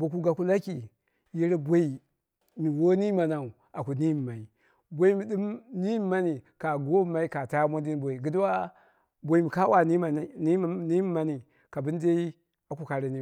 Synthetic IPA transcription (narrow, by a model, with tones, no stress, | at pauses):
bo˨ku˦ɡa˨ku˦la˦ki˨ | ji˦ɾbʷo˦i˨ | mi˨wo˦ni˦ma˨na˨u˨ | a˨ku˨ni˦mi˨ma˨i˨ | bʷo˦i˦mi˨ɗi˦mni˦mi˦mːa˦ni˨ka˨ɡo˦˨˦ma˨i˦ka˨ta˦mo˦ndi˦n˦bo˨i˨ɡi˨dwa˦ | bo˨i˨˦mi˨ka˦wa˦ni˦m˨i˦ni˦mi˦ma˦ni˨ | ka˨bi˦n˦de˦i˦ | a˨ku˨ka˨ɾe˨ni˦